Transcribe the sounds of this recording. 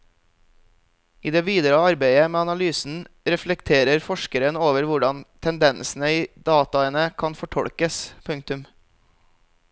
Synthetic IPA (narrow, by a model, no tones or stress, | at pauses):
ʔiːd̪eːʋiːd̪əɾəɑɾbæɪəmeːɑnɑlyːsn̩ | ɾɛflɛkt̪ʰeːɾəɾfɔʃkəɾənoːʋəɾʋʊɖɑnt̪ʰɛnd̪ɛnsn̩əiːd̪ɑːt̪ɑɛnəkʰɑnfɔʈʰɔ̰ɽkəspʰʉŋkt̪ʉm